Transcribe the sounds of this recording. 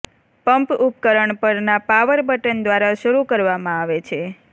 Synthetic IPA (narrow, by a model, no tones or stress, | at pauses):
pəmpup̚kəɾəɳpəɾnapaʋəɾbəʈənd̪ʋaɾaʃəɾukəɾʋamãaʋet͡ʃʰe